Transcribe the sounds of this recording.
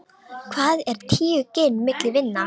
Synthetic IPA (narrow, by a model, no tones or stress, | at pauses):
kʰvaːðɛɾ̥t̪ʰiːʏcɪnmɪklɪvɪnːa